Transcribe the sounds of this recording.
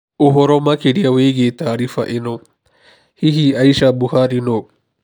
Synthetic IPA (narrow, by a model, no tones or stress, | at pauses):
uɦɔɾɔmakeɾijaweɡet̪aːɾifa̰ʔeno | hiɦiaiʃabuhaɾino